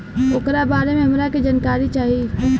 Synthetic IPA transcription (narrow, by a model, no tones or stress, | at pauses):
ʊkɾabaːɾemẽɦɐmɾakid͡ʒankaːɾit͡ʃaːɦi